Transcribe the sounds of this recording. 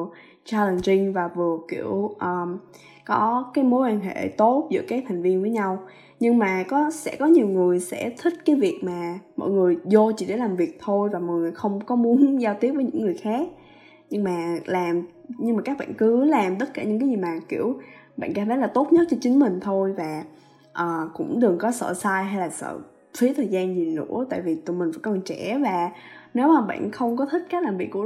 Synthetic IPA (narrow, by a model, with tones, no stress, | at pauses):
t͡ɕaː˧lə˨˩ŋt͡ɕï˧ŋvaː˨˩vɨ˨˩əkḭ˧˩əwʔəː˨˩m | kɔ˨˦kaː˨˦jmo˨˦jwaː˧nɦḛ˧˨t̪o˦˥t̚zɨ̰˧˥əkaː˨˦jt̪ʰa˨˩jŋ̟vi˧ənvəː˨˦jɲa˧w | ɲɨ˧ŋmaː˨˩kɔ˨˦sɛ̰˧˥kɔ˨˦ɲi˨˩əwŋɨ˨˩əjsɛ̰˧˥t̪ʰï˦˥k̟̚kaː˨˦jvi˨˩ək̚maː˨˩mɔ̰˧˨jŋɨ˨˩əjzo˧t͡ɕḭ˧˨ɗḛ˧˩laː˨˩mvi˨˩ək̚t̪ʰo˧jvaː˨˩mɔ˨˩jŋɨ˨˩xə˧wŋ͡mkɔ˨˦mu˨˦ənzaː˧wt̪i˦˥ət̚vəː˨˦ɲɨ̰˧˥ŋːɨ˨˩əjxaː˦˥k̚ | ɲɨ˧ŋmaː˨˩laː˨˩mɲɨ˧ŋmaː˨˩kaː˦˥k̚ɓa̰ː˧˨nkɨ˨˦laː˨˩mt̪ə˦˥t̚kaː˧˩ɲɨ̰˧˥ŋkaː˨˦jzi˨˩maː˨˩kḭ˧˩əwɓa̰ː˧˨nkaː˧˩mt̪ʰə˨˦jlaː˨˩t̪o˦˥t̚ɲə˦˥t̚t͡ɕɔ˧t͡ɕï˨˦ŋ̟m˨˩ŋ̟t̪ʰo˧jvaː˨˩ | ʔəː˨˩kʊ̰˧˥ŋ͡mɗɨ˨˩əŋkɔ˨˦sə̰ː˧˨saː˧jɦa˧jlaː˨˩sə̰ː˧˨ | fi˨˦ət̪ʰəː˨˩jzaː˧nzi˨˩nɨ̰˧˥ət̪a̰ː˧˨jvi˨˩t̪u˧˩mï˨˩ŋ̟və̰˧˥˦kɔ˨˩nt͡ɕɛ˧˩vaː˨˩ | ne˨˦wmaː˨˩ɓa̰ː˧˨nxə˧wŋ͡mkɔ˨˦t̪ʰï˦˥k̟̚kaː˦˥k̚laː˨˩mvi˨˩ək̚ːu˧˩˥